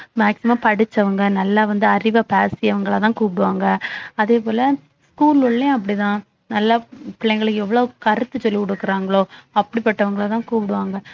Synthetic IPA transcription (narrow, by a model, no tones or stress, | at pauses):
maːksɪmãːpɐɽɯt͡ʃːɐʋɐŋɡɐnɐlːaːʋɐnd̪ɯɐɾɪʋaːpaːsɪɐʋɐŋɡɐɭat̪ãːkuːpɪɽɯʋaːŋɡɐɐðeːpoːlɐ | skuːlʊɭːẽɐp̬ːɐɽit̪ãː | nɐlːaːpɪɭːɐɪɡɐɭɯkːɛʋːɐɭoːkɐɾɯt̪ːɯsɔlːikɔɽɯkːɯɾaːŋɡɐɭoːɐpːɐɽipɐʈːɐʋɐŋɡɐɭat̪ãːkuːpɪɽɯʋaːŋɡɐ